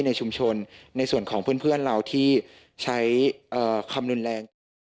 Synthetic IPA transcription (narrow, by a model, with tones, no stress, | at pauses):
na˧jt͡ɕʰu˧mt͡ɕʰo˧nːa˧jsu˨˩ənkʰɔː˩˦pʰɯ˥˩ənpʰɯ˥˩ənɾa˧wt̪ʰiː˥˩ | t͡ɕʰa˦˥jʔɤː˨˩kʰa˧mɾu˧nlɛː˧ŋ